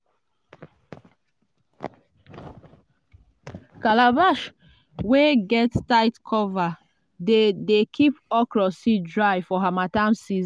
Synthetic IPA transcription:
kalabaʃ | weɡɛttaɪtkʰɔva | dedekʰipɔkɹɔsidɹajfɔɦamatãmsiz

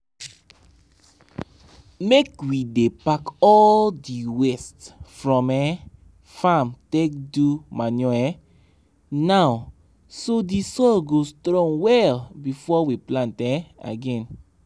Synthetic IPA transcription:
mekwidepakɔldiwɛstfɹɔ̃mɛ | fãmtek̚dumanɔ̃ɛ | naw | sodisɔlɡostɹɔ̃ŋwɛlbifɔwiplãntɛ̃a̰ɡɛ̃n

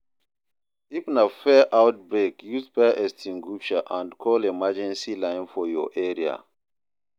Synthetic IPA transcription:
ifnafɛʔaʊt̚bɹekjusfɛʔɛstʰĩŋɡuʃaʔãndkʰɔlemad͡ʒɛ̃nsilãɪ̃nfɔjɔ̰ʔɛɹia̰

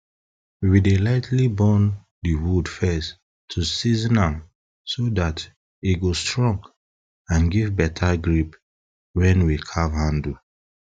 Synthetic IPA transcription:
widelaɪtlibɔn | diwudfɛs | tʰːusiznãm | sodat | iɡostɹɔ̃ŋk | ãnɡivbɛtʰaɡɹip | wɛ̃nwikʰavhãndu

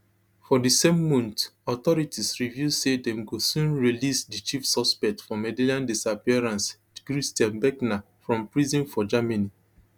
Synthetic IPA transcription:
fɔdisẽmːɔ̃ntɔtɔɹitisɹivjusedɛ̃mɡosũnɹilisdit͡ʃifsɔspɛk̚tfɔmedilãndisapiɛɹãns | kɹistjãnbɛkna | fɹɔ̃mpɹizĩnfɔd͡ʒamani

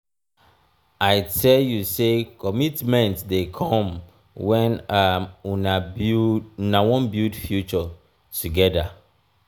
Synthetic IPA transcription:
aɪtʰɛljusekʰɔmitmɛ̃ntdekʰɔ̃m | wɛ̃nauna | nawɔ̃nbjudfjut͡ʃɔ | tuɡɛda

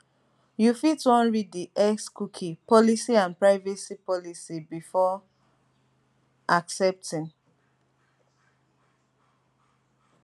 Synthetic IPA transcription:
jufitɔ̃nɹidiʔɛkskukʰipʰɔlisiãnpɹaɪvɛsipɔlisibifɔ | ʔaksɛp̚tʰĩŋ

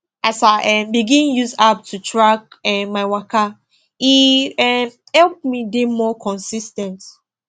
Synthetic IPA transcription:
ʔasaʔɛmbiɡĩnjuzap̚tʰutʰɹak̚ɛmaɪwakʰa | iɛ | hɛlp̚midemɔkʰɔ̃nsistɛ̃nt

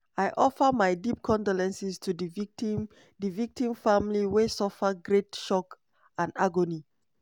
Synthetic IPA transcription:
ajʔɔfəmaɪdip̚kʰɔ̃ndolɛ̃nsistʰudm | divik̚tĩmfãmliwesɔfəɡɹetʃɔk | ãnaɡoni

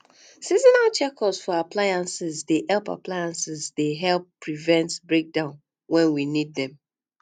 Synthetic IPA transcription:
sizɔnalt͡ʃɛkɔsfɔaplajãnsɪzdehɛlpa̰plajãnsɪzdeɦɛlˠpːɹivɛ̃ntbɹek̚dãʊ̃n | wɛ̃nwinid̚dɛ̃m

